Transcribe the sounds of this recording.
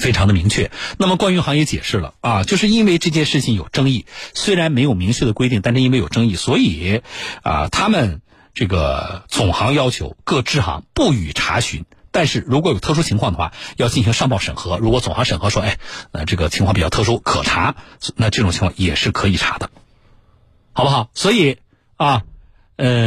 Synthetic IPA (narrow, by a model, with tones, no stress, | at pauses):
fe˥ɪʈ͡ʂʰɑ˧˥ŋd̪ə˧mi˧˥ŋt͡ɕʰɥɛ˥˩na˥˩mə˩kwa˥ny˧˥xɑ˧˥ŋjɛ˧˥t͡ɕjɛ̰˨˩ʂɻ̩˥˩lə̰˩ɐ˧t͡ɕjo˥˧ʊʂɻ̩˥˧i˥nwe˥˧ɪʈ͡ʂɤ˥˧t͡ɕjɛ˥˧nʂɻ̩˥˩t͡ɕʰi˨˩ŋjo˨˩ʊʈ͡ʂɤ˥ŋi˥˩swe˥ɪɻa˧˥nme˧˥ɪjo˨˩mi˧˥ŋt͡ɕʰɥɛ˥˩d̪ə˩kwɪi˥˩ŋt̪a˥˧nʂɻ̩˥˧i˥nwe˥˩ɪjʊʈ͡ʂɤ˥ŋi˥˩swɔ˧˥i˨˩ə̰˧t̪ʰa˥mə˨n | ʈ͡ʂɤ˥˩ɡə˩t͡sʊ˨˩ŋxɑ˧˥ŋjɑ˥ʊt͡ɕʰjo̰˧˥ʊkɤ˥˧ʈ͡ʂɻ̩˥˩xɑ̰˧˥ŋpu˥˩y˨˩ʈ͡ʂʰa̰˧˥ɕy̰˧˥n | t̪a˥˧nʂɻ̩˥˩ɻu˧˥k̬wɔ˧˥jo˨˩ʊt̪ʰɤ˥˧˩ʂu˥t͡ɕʰi˧˥ŋkʰɑ˥ŋd̪ə˩xwa̰˥˩jɑ˥˧ʊt͡ɕi˥˩nɕi˧˥ŋʂɑ˥˧ŋpɑ˥˩ʊʂə˨˩nxɤ˧˥ɻu˧˥kwɔ˧˥t͡sʊ˨˩ŋxɑ˧˥ŋʂə˨˩nxɤ˧˥ʂwɔ˥e˥˧ɪ˧ʈ͡ʂɤ˥˩ɡə˩t͡ɕʰi˧˥kʰɑ˥˩pi˨˩ɑ˥˧t̪ʰʂu˥kʰɤ̰˨˩ʈ͡ʂʰa˧˥na˥˧ʈ͡ʂɤ˥˩ʈ͡ʂʊ˨˩ŋt͡ɕʰi˧˥ŋʰwʰɑ˥ŋ˧jɛ˨˩ʂɻ̩˥˩kʰɤ˧˥i˨˩ʈ͡ʂʰa̰˧˥d̪ə˧ | xɑ˨˩bə˧xɑ˨˩˦ʊswɔ˧˥i˨˩˦ | ɐ˧˥˧